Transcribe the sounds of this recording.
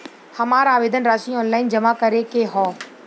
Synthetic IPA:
hɐmaːɾaːʋeːd̪ənɾaːʃĩɔːnlaːɪnd͡ʒɐmakɐɾekeɦɔː

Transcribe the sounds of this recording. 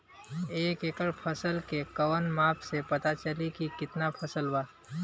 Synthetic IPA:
eːkeːkəɾpʰəsəlkekɐwənmaːpʰsepɐt̪at͡ʃəlikikɪt̪napʰɐsəlwaː

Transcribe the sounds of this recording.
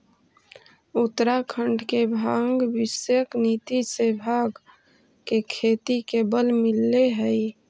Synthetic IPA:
ut̪ɾakʰəɳɖkebʱaŋɡbisjəknit̪isebʱaɡ | kekʰet̪ikebəlmilːeɦəj

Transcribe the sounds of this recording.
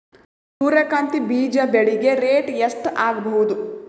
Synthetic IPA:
suːɾɐkaːnt̪ibiːd͡ʒɐbeɭiɡeɾeːʈjɐsʈaːɡɐbɐwud̪u

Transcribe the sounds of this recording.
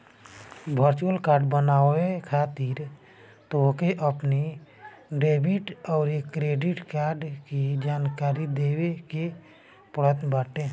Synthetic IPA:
bʱəɾt͡ʃuəlkaːɾɖbənaːekʰaːt̪iɾ | t̪okeʔəpni | ɖeːbiʈɔːɾekɾeːɖiʈkaːɾɖkid͡ʒaːnkaːɾid̪eːweke | pəɽ̤ət̪baːʈe

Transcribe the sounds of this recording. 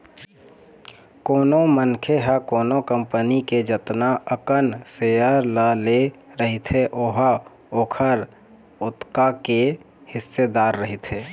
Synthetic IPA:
koːnomənkʰeɦəkoːnokəmpəniked͡ʒət̪naəkənsejəɾləleɾəɦit̪ʰɦeʔoɦə | oːkʰəɾ | ʊt̪kake | hɪsːed̪aːɾːəɦit̪ʰɦeː

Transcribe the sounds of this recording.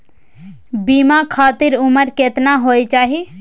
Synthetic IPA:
bimakʰaːt̪iɾuməɾket̪naɦojt͡ʃaːɦi

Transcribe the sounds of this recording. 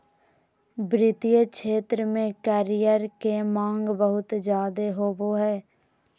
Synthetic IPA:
bɾɪt̪ijəkʃeːt̪ɾəmẽkəːɾɪjəɾkemãːŋɡbəɦʊt̪d͡ʒjaːd̪eɦoːboɦɛː

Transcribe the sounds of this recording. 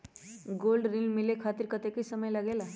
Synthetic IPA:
ɡolɖɾiŋmilekʰat̪iɾkət̪ekisəməjləɡela

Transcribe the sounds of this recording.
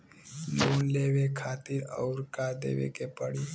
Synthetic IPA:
loːnleːʋekʰaːt̪iɾɔ̰ːɾkaːd̪ḛːʋḛkepəɽiː

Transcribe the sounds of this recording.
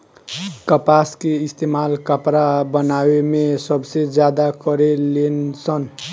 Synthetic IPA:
kəpaskeist̪emalkəpɾabənawemesʌbsed͡ʒjad̪akʌɾelensʌn

